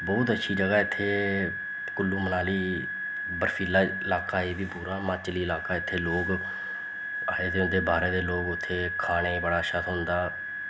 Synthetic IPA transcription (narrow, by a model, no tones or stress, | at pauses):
bɔːt̪ətːʃʰiːd͡ʒəɡaːɪt̪ʰːeː | kʊlːuːmənaːliː | bəɾpʰiːlaːɪlaːkaːɦeːbiːpuːɾaːmaːt͡ʃliːɪlaːkaːɪt̪ʰːeːloːk | aːeːt̪eːd̪eːbaːɾeːd̪eːloːɡʊt̪ʰːeːkʰaːɽeːbəɽaːʃət̪ʰɦʊ̃nd̪aː